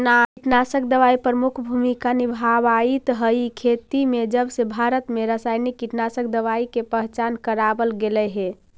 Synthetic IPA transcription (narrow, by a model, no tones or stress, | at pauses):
naiʈnasək̚d̪əaipɾəmukʰbʱumikanibʱaʋait̪ɦəikʰet̪imed͡ʒəbsebʱaɾət̪meɾasajnikːiʈnasək̚d̪əʋaikepəɦt͡ʃankəɾabəlɡelɛɦe